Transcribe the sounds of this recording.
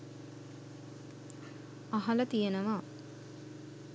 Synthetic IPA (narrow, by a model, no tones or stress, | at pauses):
aɦɐlɐt̪ijenəʋaː